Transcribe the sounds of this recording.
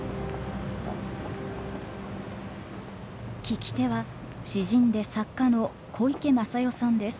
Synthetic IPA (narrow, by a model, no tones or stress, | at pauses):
kʲikʲi̥t̪e̞βa | ɕiʑĩnd̪e̞sakːano̞ | kʰo̞ike̞masajo̞sãnd̪e̞sɨ̥